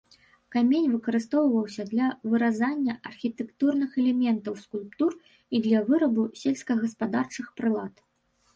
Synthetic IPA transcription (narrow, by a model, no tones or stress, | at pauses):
kamʲenʲvɨkɐɾɨst̪ɔwvɐwsʲɐd̪lʲɐvɨɾazanʲːɐʔɐrxʲit̪ɛkt̪urnɨxɛlʲɛmʲɛnt̪ɐwskulʲpt̪ur | id̪lʲɐvɨɾɐbusʲelʲskɐɣɐspad̪art͡ʂɨxpɾɨlˠat̪